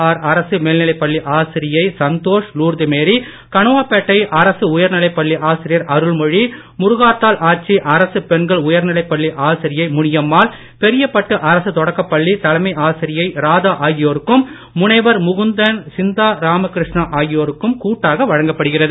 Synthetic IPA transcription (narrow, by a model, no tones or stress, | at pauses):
aːɾɐɾɐsɯmeːlnɪlɐɪpːɐɭːiʔaːsɪɾɪjɐɪsɐnt̪oːʂnuːɾd̪ɪmeːɾi | kɐɳɯʋaːpːɛʈːɐɪʔɐɾɐsɯʊjɐɾnɪlɐɪpːɐɭːiʔaːsɪɾɪjɐɾʔɐɾɯɭmɔɻi | mʊɾʊɣaːt̪ːaːlʔaːʈ̚t͡ʃːiʔɐɾɐsɯpɛnɡɐɭʊjɐɾnɪlɐɪpːɐɭːiʔaːsɪɾɪjɐɪmʊɳɪjɐmːaːl | pɛɾɪjɐpːɐʈːɯʔɐɾɐsɯt̪ɔɽɐkːɐpːɐɭːit̪ɐlɐmɐɪʔaːsɪɾɪjɐɪɾaːðaːʔaːjɪjoːɾɯkːɯmː | ʊɳɐɪʋɐɾmʊɣɯnd̪ɐnsɪnd̪aːɾaːmɐkɪɾɪʂɳɐʔaːjɪjoːɾɯkːɯmkuːʈːaːɣɐʋɐɻɐŋɡɐpːɐɽɯɣɪrɐðɯ